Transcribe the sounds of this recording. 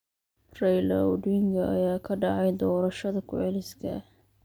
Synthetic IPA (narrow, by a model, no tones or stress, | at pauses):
rɛjlɐ̰wɖɪŋɡɐʔɐ̰jaːkʰɐɖɑʕɑjd̪ɔːɾɐʃɐðɐkʰʊʕɛlɪskʰɐ̰